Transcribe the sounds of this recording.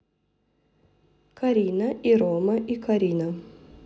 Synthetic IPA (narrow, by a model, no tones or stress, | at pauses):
kɐɾʲiːnɐʔiɾɔːmɐʔikɐɾʲiːnɐ